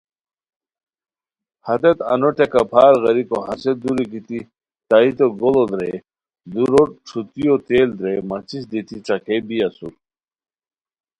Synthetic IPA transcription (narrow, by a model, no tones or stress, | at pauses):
hɐt̪et̪ɐ̰noʈekɐpʰaːɾɣɐɾikoɦɐsed̪uɾikit̪i | t̪ait̪oɡolod̪ɾḛ | d̪uɾoʈ͡ʂʰut̪ijot̪eːld̪ɾemɐt͡sisd̪it̪iʈ͡ʂɐkebijɐsṵɾ